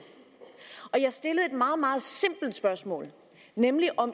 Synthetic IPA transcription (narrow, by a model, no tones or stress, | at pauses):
ʔɒ̽jɑ̈ɪsd̥e̝ləð̩ˠe̝d̥mɑ̈ːð̩ˠmɑ̈ːð̞̩ˠse̝m̰b̥l̩d̥sb̥ɶɐsmɔ̰ːl | nemliʔɒ̽m